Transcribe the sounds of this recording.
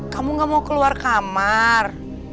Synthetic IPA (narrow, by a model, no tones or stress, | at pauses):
kamuŋɡamawkəluarkamar